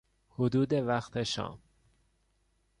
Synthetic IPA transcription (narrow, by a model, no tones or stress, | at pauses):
hod̪uːd̪evæxt̪ʰeʃɒ̰ːm